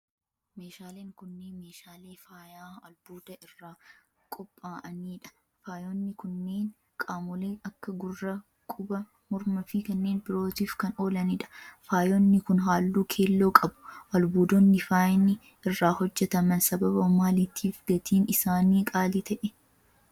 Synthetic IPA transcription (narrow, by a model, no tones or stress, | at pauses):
me̞ːʃaːleːŋkʊnːeːnmeːʃaːleːfaːjaːwɐlb̥uːd̪ɐɪrːaː | kʼɔpʼːaːʔɐniːᶑɐ̥ | faːjɔnːɪkʊnːe̞ːn | kʼaːmʊleːɐkːɐɡʊrːɐ | kʼʊbɐ | mʊɾmɐfɪkɐnːe̞ːnbɪɾo̞ːt̪iːfkɐno̞ːlɐniᶑɐ̥faːjɔnːɪkʊnɦaːlːuːkʰeːlːo̞ːkʼɐbʊ̥ʔɐlbuːd̪ɔnːɪfaːjɪnɪ | ɪrːaːhɔd͡ʒːɛt̪ɐmɐnsɐbɐbɐʊmaːlɪt̪ʰːiːfɡɐt̪iːnɪsaːniːkʼaːlɪt̪ɐʔɛ